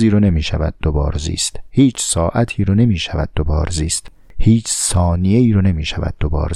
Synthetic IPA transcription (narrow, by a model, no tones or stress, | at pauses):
iːɾone̞miːʃævæd̪̚ːobɒ̰ːɾzḭːst̪hiːt͡ʃʰsɒːʔæt̪ʰiːɾɔne̞miːʃævæd̪̥̚ːobɒ̰ːɾziːst̪ | hiːt͡ʃʰsɒːnije̞iːɾɔne̞miːʃævæ̰d̪̚d̪obɒ̰ːɾ